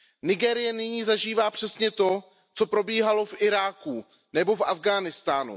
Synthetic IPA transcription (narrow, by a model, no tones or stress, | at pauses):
nɪɡɛːɾɪjɛnɪɲiːzaʒiːvaːpr̥ɛsɲɛt̪o̞ | t͡so̞pɾo̞biːɦalo̞fʔɪɾaːku | nɛbo̞fʔavɡaːnɪst̪aːnṵ